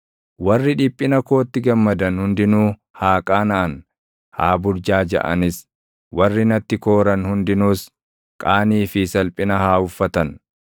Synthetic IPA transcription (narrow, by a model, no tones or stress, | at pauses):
wɐrːɪᶑɪpʼːɪnɐkoːt̪ːɪɡɐmːɐd̪ɐnhʊnd̪ɪnuː | haːkʼaːnɐʔɐn | haːbʊɾd͡ʒaːd͡ʒɐ̰ʔɐ̰nɪs | wɐrːɪnɐt̪ːɪko̞ːɾɐnhʊnd̪ɪnuːs | kʼaːniːfɪsɐlpʼɪnɐhaːʊfːɐt̪ɐn